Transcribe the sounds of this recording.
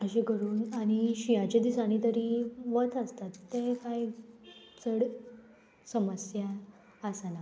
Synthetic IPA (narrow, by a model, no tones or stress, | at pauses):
əɕeɡʱəɾuːnaɽ̃iɕijat͡ɕed̪isaɽ̃it̪əɾiːʋət̪əst̪at̪ːekaj | t͡səɽ | səməsjaː | sana